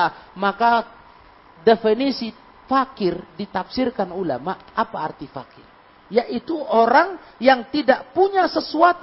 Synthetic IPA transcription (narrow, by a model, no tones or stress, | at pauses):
maka | definisi | fakɪrdit̪afsɪrkanula̰maʔapaːrt̪ifa̰kɪr | jaʔit̪uʔoɾaŋjaŋt̪idaʔpuɲasəsuat̪